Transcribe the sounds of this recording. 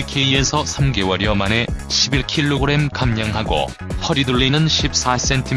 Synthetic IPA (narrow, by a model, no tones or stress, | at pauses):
kʰeie̞sʰʌsʰamɡe̞wʌɾjʌmane̞ɕʰibiɭkʰiɭːoɡɯɾe̞mkamɲaŋɦaɡo̰ | hʌɾiduɭːinɯnɕʰip̚s͈as͈e̞ntʰim